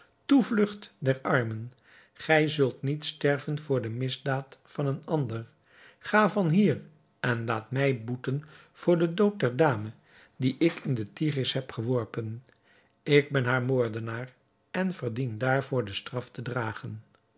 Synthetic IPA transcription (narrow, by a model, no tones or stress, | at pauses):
tuvlɵχtdɛrɑɹmən | χɛjzɵlˠtnitstɛɹvənvʊːɹdəmɪzdaːtfɑnənɑndər | χaːvɑnɦiːr | ʔɛnlaːtmɛjbutən | v̥ʊːɹdədowt̚dɛɹdaːmə | diʔɪkɪndətirɪsɦɛpχəʋɔɹpən | ɪɡ̚bɛnɦaːɹmoːɹdənaːr | ɛnvərdindaːɹvʊːɹdəstrɑftədraːχən